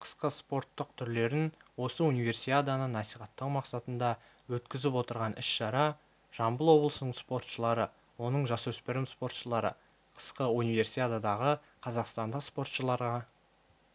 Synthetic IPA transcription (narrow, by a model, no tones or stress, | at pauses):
qʰə̥sqəspo̞ɾt̪ːəq̚t̪ʰʏɾle̞ɾɪnwo̞səunijve̞ɾsiad̪anənɑsijχɑt̪ːəqmɑqsɑt̪ənd̪ɑ | wɵt̪kʲɪzɪpwo̞t̪əɾʁɑnɪʃʃɑɾɑ | ʒ̥ɑmbəlˠwo̞blˠəsənəɴspo̞rt̪ʃəlˠɑɾə | wo̞nəɴʒɑswɵspɪɾɪmspo̞ɾt̪ʃəlˠɑɾə̰ | qʰə̥sqəunijve̞rsiad̪ad̪ɑʁə | qʰɑzɑqst̪ɑnd̪əqspo̞rt̪ʃəlˠɑɾʁɑ